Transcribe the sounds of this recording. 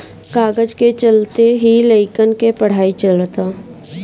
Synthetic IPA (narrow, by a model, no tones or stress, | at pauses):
kaːɡəd͡ʒket͡ʃəlt̪eɦiləɪkənkepəɽ̤aːit͡ʃələt̪a